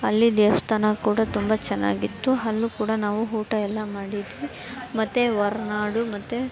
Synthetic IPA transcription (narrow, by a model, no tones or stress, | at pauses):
ɐlːid̪eːʋɐst̪ʰaːnɐkuːɽɐt̪umbɐt͡ʃɛnːa̰ːɡit̪ːuɦɐlːukuːɽɐnaːʋuɦuːʈɐɛlːɐmaːɽid̪ʋi | mɐt̪ːeʋɐɾnaːɽumɐt̪ːe